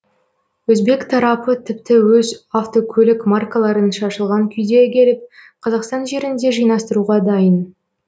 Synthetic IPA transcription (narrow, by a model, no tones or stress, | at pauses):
wɵzbe̞kt̪ʰɑɾɑpət̪ʰɪpt̪ɪwɵzaft̪o̞kʲʰɵlɪkmarkalˠɑɾənʃɑʃəlˠʁɑŋkʲʰʏjd̪e̞kʲʰe̞lɪp̚qʰɑzɑqst̪ɑnʒe̞ɾɪnd̪e̞ʒɯjnɑst̪əɾuʁɑd̪ɑjən